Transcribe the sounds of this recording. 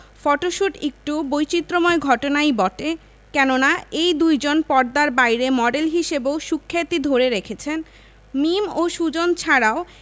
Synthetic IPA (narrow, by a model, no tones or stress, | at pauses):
fɔʈoʃuʈek̚ʈubojt͡ɕit̪ːɾomɔeɡʱɔʈonajbɔʈe | kɛnonaejd̪ujd͡ʑonpɔɾd̪aɾbajɾemɔɖelɦiʃebeoʃukʰːet̪id̪ʱoɾeɾekʰet͡ɕʰen | mimoʃud͡ʑont͡ɕʰaɾao